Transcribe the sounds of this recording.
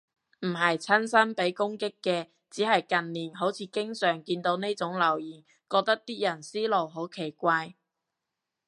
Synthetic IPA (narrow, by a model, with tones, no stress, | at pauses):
m̩˨˩ɦɐ˨jt͡sʰɐ˥nsɐ˥npe˨˥jkʊ˥ŋkɪ˥kːɛː˧ | t͡siː˨˥hɐ˨jkɐ˨nːiː˨˩nɦo˨˥wt͡sʰiː˨˧kɪ˥ŋsœː˨˩ŋkiː˧nt̪o˨˥wne˥jt͡sʊ˨˥ŋlɐ˨˩wjiː˨˩n | kɔː˧k̚t̪ɐ˥k̚t̪iː˥jɐ˨˩nsiː˥lo˨wɦo˨˥wkʰe˨˩jkʷaː˧j